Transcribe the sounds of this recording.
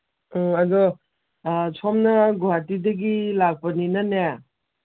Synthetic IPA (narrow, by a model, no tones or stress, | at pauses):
ɔadɔ | sʰɔmnɐɡoatideɡilak̚pɐninana